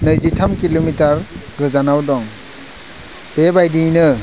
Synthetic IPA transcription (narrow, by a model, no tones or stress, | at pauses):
nɯjzitʰamkilomitaɾɡɯzanawdɔŋ | b̥ebajdinɯ